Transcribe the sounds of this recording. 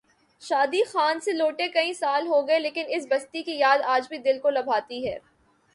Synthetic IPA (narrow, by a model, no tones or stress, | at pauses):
ʃaːd̪ixaːnseloːʈekɐĩsaːlɦoɡɐeleːkɪnɪsbɐst̪ikijaːd̪aːd͡ʒbʱid̪ɪlkolɐbʱaːt̪iɦɛː